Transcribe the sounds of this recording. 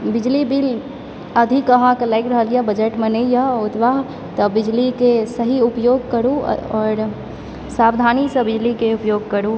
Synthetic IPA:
bid͡ʒlibil | əd̪ʱikəɦãkelaɪkɾəɦəljabəd͡ʒəʈmenejaut̪baɦ | t̪ɔbid͡ʒlikesəɦiupjoɡ̚kəɾṵɔːɾ | sabd̪ʱanisə̃bid͡ʒlikeupjoɡ̚kəɾu

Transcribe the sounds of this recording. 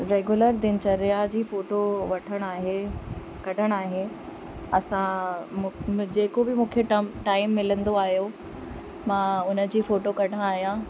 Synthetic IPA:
ɾeːɡʊləɾd̪ɪn̆t͡ɕɐɾjad͡ʑiːfoːʈoʋɐʈʰəɽ̃aːɦe | kɐɖʱəɽ̃aːɦe | ɐsã | d͡ʑeːkobɪmũːkʰeʈʈaːɪmːɪlə̃nd̪oaːɦijo | mãːʊnə̆d͡ʑiːfoːʈokɐɖʱãaːɦijã

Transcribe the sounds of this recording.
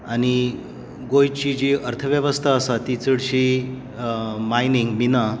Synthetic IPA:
añi | ɡojt͡ɕid͡ʑiʔəɾt̪ʰəʋjəʋəst̪ʰaːsat̪it͡səɽɕi | majniŋɡmina

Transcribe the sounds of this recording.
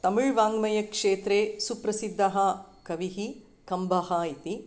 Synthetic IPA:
t̪ɐmuɻʋaːŋɡmɐjɐkʂeːt̪ɾeːsupɾɐsid̪ʱːɐɦɐkɐʋiɦi | kɐmbʱɐhɐit̪i

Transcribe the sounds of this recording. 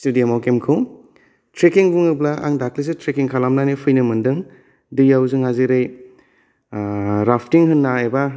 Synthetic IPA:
studiamawkemkʰɯw | tʰɾekiŋbuŋɯblaʔa̰ŋdaklis̬etʰɾekiŋkʰalamnanipʰɯjnɯmɯndɯŋ | dɯjawzɯŋhaziɾɯj | ɾapʰtiŋhɯnːaeba

